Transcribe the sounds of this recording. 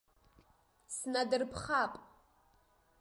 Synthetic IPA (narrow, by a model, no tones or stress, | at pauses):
snadɨrpʰχapʼ